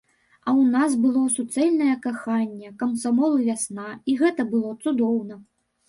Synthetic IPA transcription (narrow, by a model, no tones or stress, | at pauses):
ɐwnasbɨlˠɔsut̪sɛlʲnɐjɐkaxanʲːɛkɐmsamɔlˠɨvʲasnaiɣɛt̪ɐbɨlˠɔt̪sud̪ɔwnɐ